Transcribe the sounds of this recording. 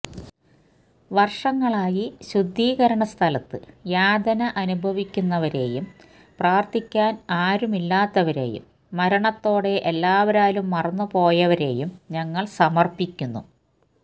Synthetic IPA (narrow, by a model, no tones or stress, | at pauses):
ʋɐrʂɐŋːɐɭaːjiɕud̪ʱːiːɣɐɾɐɳɐst̪ʰɐlɐt̪ːɨjaːd̪ʱɐnɐʔɐnubʱɐʋikʲːunːɐʋɐɾe̞̰ːjum | praːrt̪ikʲːaːnaːɾumilːaːt̪ːɐʋɐɾe̞̰ːjṵmː | ɐɾɐɳɐt̪ːo̞ːɽe̞ʔelːaːʋɐɾaːlumːɐrɐnːupo̞ːjɐʋɐɾe̞ːjumɲɐŋːɐɭsɐmɐrpikʲːunːṵ